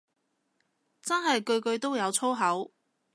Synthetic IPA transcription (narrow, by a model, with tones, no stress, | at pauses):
t͡sɐ˥nɦɐ˨jkɵ˧ɥkɵ˧ɥt̪o˥wjɐ˨˧wt͡sʰo˥wɦɐ˨˥w